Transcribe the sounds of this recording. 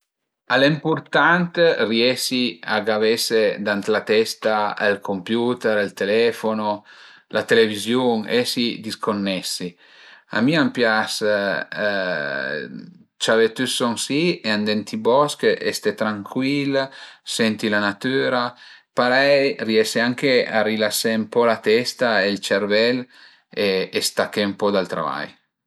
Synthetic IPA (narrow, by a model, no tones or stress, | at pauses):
alempuɾt̪ant̪riɛsia̰ɡavɛsed̪ant̪lat̪ɛst̪aḛlkʰompjut̪ɛɾelt̪elɛfono | la̰t̪elevizjuŋɛsid̪iskonːɛsi | a̰miampjas | t͡ʃavet̪ysɔŋsieand̪ɛnt̪ibɔskeʔḛst̪et̪ɾaŋkʰwilsɛnt̪ilanat̪yːɾa | paɾɛjriɛseaŋkea̰rilasːempɔlat̪ɛst̪aelt͡ʃeɾvɛl | eest̪akːeumpɔd̪alt̪ɾa̰va̰j